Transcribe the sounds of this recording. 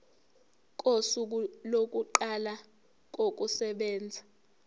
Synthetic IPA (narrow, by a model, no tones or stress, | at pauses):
kʼosuk̬ulok̬ʼuǃala | k̬ʼok̬ʼusɛɓɛːnd͡zʱa